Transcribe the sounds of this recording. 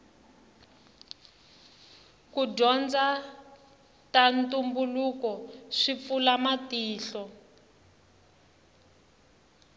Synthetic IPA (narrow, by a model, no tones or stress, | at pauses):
kuɟɔnd͡za | tantumbulukɔʂifulamatiːɬɔ